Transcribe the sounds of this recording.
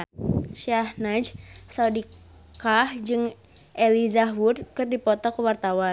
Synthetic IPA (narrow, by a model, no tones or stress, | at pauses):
ʃiahnad͡ʒsaudi | kahd͡ʒɨŋ | ʔelizawudkɨrdipɔt̪ɔkəwart̪awa